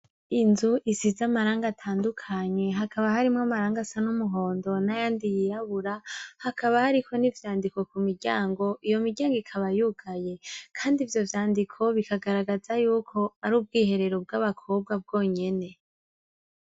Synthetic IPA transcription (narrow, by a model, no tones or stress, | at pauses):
inzuʔisizamaɾaːŋɡatʰaːndukʰaɲe̞ɦakʰaβahaɾimŋamaɾaːŋɡasanumuɦo̞ːndo̞najaːndijiɾaβuɾahakaβahaɾikʰo̞nivjaːndiko̞kumiɾɟaːŋɡo̞ʔijo̞miɾɟaːŋɡikʰaβajuɡ̥aje̞kʰaːndivjo̞vjaːndikʰo̞βikʰaɡaɾaɡazajuːkʰo̞aɾuːb̚ɡiːɦe̞ɾe̞ɾo̞b̚ɡaβakʰo̞b̚ɡwab̚ɡo̞ːɲe̞ne̞